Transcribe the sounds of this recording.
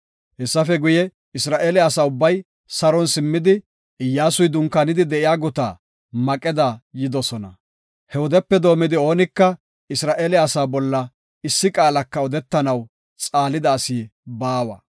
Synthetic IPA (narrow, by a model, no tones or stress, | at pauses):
hɛsːɐfɛɡʊjɛ | ɪsɾaːʔeːlɛɐsaːʊbːɐj | sɐɾɔnsɪmːɪd̪ɪ | ɪjːaːsʊjd̪ʊŋkːɐnɪd̪ɪd̪ɛʔɪjaːɡʊt̪a̰ː | mɐkʼɛd̪ajɪd̪ɔsɔnɐ | hɛwɔd̪ɛpːɛd̪o̞ːmɪd̪ɪo̞ːnɪkːɐ | ɪsɾaːʔeːlɛɐsaːbɔlːɐ | ɪsːɪkʼaːlɐkːɐɔd̪ɛt̪ːɐnɐw | t͡sʼaːlɪd̪ɐːsiːbaːwɐ̰